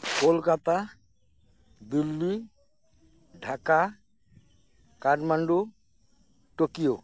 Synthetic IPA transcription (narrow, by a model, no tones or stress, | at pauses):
kolkat̪a | d̪ilːi | ɖʱaka | kaɖmaɳɖu | ʈokijo